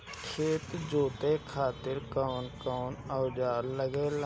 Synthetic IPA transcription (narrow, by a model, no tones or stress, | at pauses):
kʰeːt̪d͡ʒoːt̪ekʰaːt̪ɪɾkɔːnkɔːnəːd͡ʒaːɾləɡel